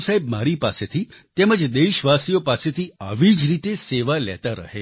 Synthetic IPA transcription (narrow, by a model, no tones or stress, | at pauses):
saibmaɾipaset̪ʰit̪eməd͡ʒd̪eʃʋasijopaset̪ʰiə̰ʋid͡ʒɾit̪eseʋalɛ̰t̪aɾə̰ɦe